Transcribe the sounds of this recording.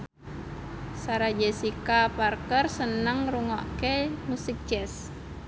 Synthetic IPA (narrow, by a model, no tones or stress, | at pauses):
saɾad͡ʒɛsikaparkərsənəŋruŋɔʔkemusik̚d͡ʒɛs